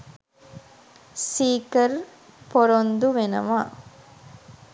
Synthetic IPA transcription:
siːkɐɾ | pɔɾond̪uʋɛnɐ̰ʋaː

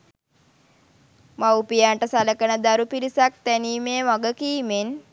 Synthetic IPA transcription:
mawpijaːɳʈəsaləkənəd̪aɾupiɾisak̚t̪æniːmeːʋaɡəkiːmen

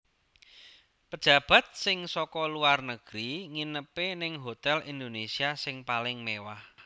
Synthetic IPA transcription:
pəd̥ʒ̥ä̤b̥ä̤t̪̚sɪŋsɔkɔluarnəɡ̥ɾiŋinəpenɪŋɦot̪ɛlind̪onesiasɪŋpalɪŋmewah

